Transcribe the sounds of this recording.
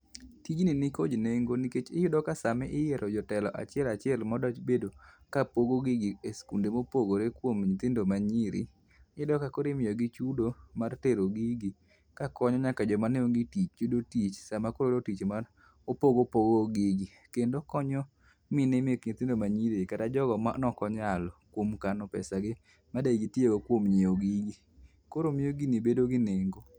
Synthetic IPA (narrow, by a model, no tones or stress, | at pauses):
tid͡ʒninikod͡ʒneŋɡoniket͡ʃɪjʊdɔkasamɛʔɪjɛɾɔd͡ʒɔtɛlɔʔa̰t͡ʃɪɛlat͡ʃɪɛlmɔdɔt͡ʃbedo | kapoɡoɡiɡieskundemopoɡoɾekwomɲit̪ɪndomaɲiɾḭ | ɪdɔkakoɾemɪjɔɡit͡ʃudomarteɾoɡiɡi | kakɔɲɔɲakad͡ʒɔmaneoŋɡitit͡ʃt͡ʃudotit͡ʃsamakoɾodotit͡ʃmar | opoɡopoɡoɡɪɡi | kendokɔɲɔ | mɪnemekɲit̪ɪndomaɲiɾikatad͡ʒɔɡɔmanɔkɔɲalɔkwomkanɔpɛ̰saɡɪ | madaiɡitjjoɡokwomɲɪoɡiɡi | koɾomɪjoɡinibedoɡɪneŋɡo